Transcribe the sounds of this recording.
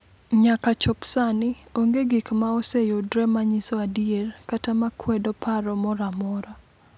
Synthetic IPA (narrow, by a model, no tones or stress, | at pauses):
ɲakat͡ʃɔpsanɪoŋɡeɡikmaɔsejodɾɛmaɲisɔadierkatamakwɛdɔpaɾɔmɔɾamɔɾa